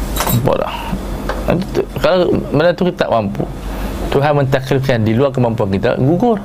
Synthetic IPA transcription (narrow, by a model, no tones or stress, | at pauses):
po̰ʔda̰h | t̪ut̪ukalamanat̪ukit̪at̪a̰ʔmampṵ | t̪uɦanmənt̪aklifkandiluarkəmampuankit̪a̰ɡuɡʊr